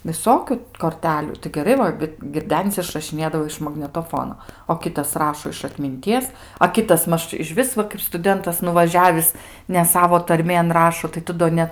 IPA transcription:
ʋʲɪˈsoːkʲʊ koːrʲˈtʲæːlʲuː tɐɪ ɡʲɛˈrɐɪ ʋɐ ɡʲɪrʲˈdʲæːnʲɪs ɪʃrɐʃʲɪˈnʲeːdɐʋoː ɪʃ mɐɡnʲɛtoːˈfoːnoː oː ˈkʲɪtɐs ˈrɑːʃoː ɪʃ ɐtʲmʲɪnʲˈtʲiɛs ɐ ˈkʲɪtɐs ˈmɐʃ ɪʃʲˈʋʲɪs ʋɐ kɐɪp stʊˈdʲɛntɐs nʊʋɐˈʒʲæːʋʲɪs nʲɛ ˈsɑːʋoː ˈtɐrʲmʲeːn ˈrɑːʃoː tɐɪ ˈtʊ doː ˈnʲɛt

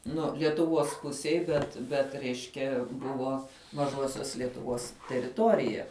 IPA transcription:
ˈnʊ lʲiɛtʊˈʋuɔs ˈpʊsʲiɛj bʲɛt ˈbʲɛt ˈrʲɛɪʃʲkʲɛ ˈbʊʋoː mɐˈʒuɔsʲoːs lʲiɛtʊˈʋoːs tʲɛrʲɪˈtoːrʲɪjɛ

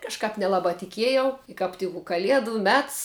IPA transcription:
kɐʃˈkɐp nʲɛˈlˠɑːbɑː tʲɪˈkʲiɛjɛʊ ɪ kɐp ˈtʲɪk ʊ kɐˈlʲiɛdʊ ˈmʲɛts

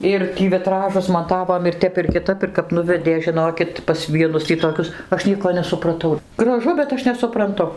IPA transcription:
ˈɪr ˈtʲiː ʋʲɪˈtrɑːʒʊs mɐˈtɑːʋoːm ɪr ˈtʲɛp ɪr kʲɪˈtɐp ɪr kɐp ˈnʊʋʲɛdʲeː ʒʲɪnoːkʲɪt pɐs ˈʋʲiɛnʊs tʲiː toːˈkʲʊs ˈɐʃ ˈnʲiɛkoː nʲɛsʊprɐˈtɐʊ ɡrɐˈʒʊ bʲɛt ˈɐʃ nʲɛsʊprɐnˈtʊ

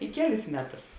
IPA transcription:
ɪ ˈkʲæːˌlʲɪs ˈmʲæːˌtʊs

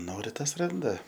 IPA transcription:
ˈnoːrʲɪ ˈtɐs ˈrɐndɐ

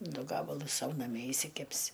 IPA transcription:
ˈdʊ ˈɡɑːbɐlˠʊs ˈsɐʊ nɐˈmʲiɛ ɪʃʲsʲɪˈkʲæːpʲsʲɪ

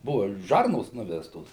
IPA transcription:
ˈbʊʋɐ ˈʒɐrnoːs ˈnʊʋʲɛstoːs

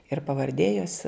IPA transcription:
ɪr pɐʋɐrʲˈdʲeː joːs

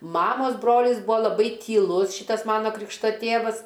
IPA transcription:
ˈmɑːmɐs ˈbroːlʲɪs ˈbuːɐ lˠɐˈbɐɪ tʲiːˈlˠʊs ˈʃʲiːtɐs ˈmɑːnɐ ˈkrʲɪkʃtɐ ˈtʲeːʋɐs

